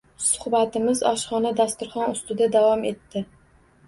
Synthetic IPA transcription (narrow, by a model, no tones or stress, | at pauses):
sʊ̥hbat̪ɪmɪzɒʃχɒnad̪ast̪ʊɾχɒnʊst̪ɪd̪ad̪avɒme̞t̪ːɪ